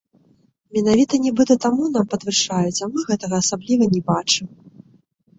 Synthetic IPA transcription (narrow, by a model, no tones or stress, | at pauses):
mʲɛnavʲit̪ɐnʲɛbɨt̪ɐt̪amun̪ampɐd̪vɨʂajut͡sʲamɨɣɛt̪ɐɣɐːsablʲivɐnʲɛbat͡ʂɨm